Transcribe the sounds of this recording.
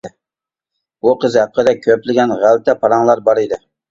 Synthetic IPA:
buqʰəzɦæqːəd̪ɛkʲʰːøplɪɡʲɛnʁælt̪ʰɛpʰɑɾɑŋlˠɑɾbɑɾɪd̪ɪ

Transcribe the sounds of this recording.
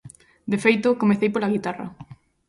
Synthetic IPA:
d̪efejt̪ʊkomeθejpolaɣit̪arɐ̰

